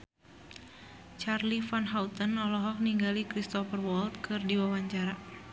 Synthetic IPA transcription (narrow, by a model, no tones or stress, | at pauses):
t͡ʃarlifanɦaut̪ənɔlɔɦɔk̚niŋɡalikɾist̪ɔfərwɔlt̪̚kʰɨrdiwawaɲt͡ʃaɾa